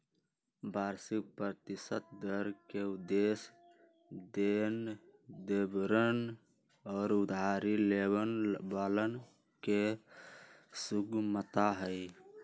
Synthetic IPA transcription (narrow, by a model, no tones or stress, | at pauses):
baːɾsik̚pɾɾət̪ɪsət̪̚d̪əɾkeud̪es | d̪end̪ebɾən | ɔːɾʊd̪aːɾilebənbaːlən | ke | suɡmət̪aɦəj